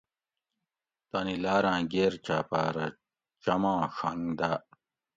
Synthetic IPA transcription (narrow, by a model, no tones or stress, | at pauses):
t̪ɐnilaːɾãːɡeːɾt͡ɕaːpaːɾɐ̰ | t͡ɕɐmãːʂɐŋd̪a